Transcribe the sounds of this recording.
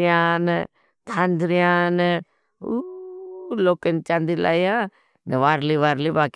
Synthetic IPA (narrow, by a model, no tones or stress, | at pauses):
jãːn | t̪ʰãnd̪ɾijãːn | u | loːkənt͡ʃãːnd̪ila̰ːijãː | nəʋaːɾliʋaːɾlibaːk